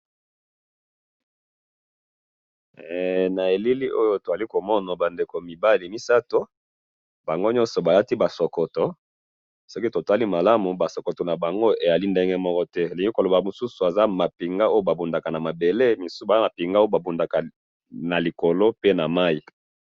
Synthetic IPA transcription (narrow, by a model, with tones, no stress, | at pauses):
na˨e˨li˦li˦ʔo˦jo˦to˨za˨li˦ko˨mɔ˦na˨ba˨nde˨ko˨mi˨ba˦li˨mi˦sa˦to˦ | ba˨ŋɡo˦ɲɔ̃˦nsɔ˨ba˨la˦ti˦ba˨sɔ˨kɔ˨tɔ˨ | sɔ˦ki˦to˨ta˦li˦ma˨la˦mu˨ba˨sɔ˨kɔ˨tɔ˨na˨ba˨ŋɡo˦e˨ja˨li˦nde˦ŋɡɛ˦mɔ˦kɔ˦tɛ˦li˨ŋɡi˦ko˨lo˨ba˨mu˨su˦su˨a˨za˦ma˨pi˨ŋɡa˦o˦jo˦ba˨bu˨nda˨ka˨na˨ma˨be˨le˦mi˨su˦ba˨za˦ma˨pi˨ŋɡa˦o˦o˦ba˨bu˨nda˨ka˨ | na˨li˨ko˨lo˦pe˦na˨ma˦i˨